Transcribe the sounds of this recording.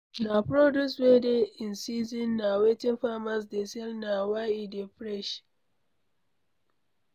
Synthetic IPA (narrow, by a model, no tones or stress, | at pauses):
napɾodjuswedeĩnsizĩnːawetĩnfamas̬desɛlnawajidepɾɛʃ